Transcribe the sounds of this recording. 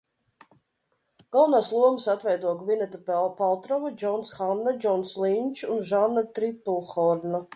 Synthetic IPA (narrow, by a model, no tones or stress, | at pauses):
ɡ̥alˠvnaːslˠuɔmɨsat̪vɛjd̪uɔɡvinɛt̪apalˠt̪ɾɔvad͡ʒɔnsxanːad͡ʒɔnslˠinʲt͡ʃunʒanːat̪ɾipːulˠxɔɾna